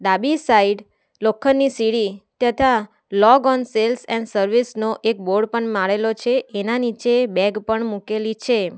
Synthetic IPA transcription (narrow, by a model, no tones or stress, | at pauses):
d̪abisaiɖ | lokʰːənːisiɽit̪ət̪ʰa | lɔɡɔnselsɛ̰̃nsəɾʋisnoʔek̚boɾɖpəɳmaɭelot͡ʃʰeenanit͡ʃebɛɡpəɳmũkelit͡ʃʰe